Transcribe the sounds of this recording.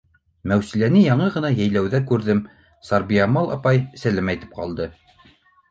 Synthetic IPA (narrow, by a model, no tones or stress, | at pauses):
mæwsilænɘjɑɴɤʁɤ̆nɑjæjlæwðækʉɾðɘm | sɑɾbiɑmɑlˠʔɑ̰pɑjsælæmæjt̪ɘ̥p̚qɑ̰lˠd̪ɤ